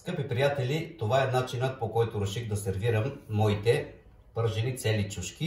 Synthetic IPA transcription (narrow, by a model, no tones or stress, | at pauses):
skɤpipɾijat̪ɛlit̪ovaɛnat͡ʃinət̪̚pokɔjt̪ʊɾɛʃiɣd̪ɐsɛɾviɾəmːɔit̪ɛ | pɤɾʒilit̪sɛlit͡ʃuʃkʲi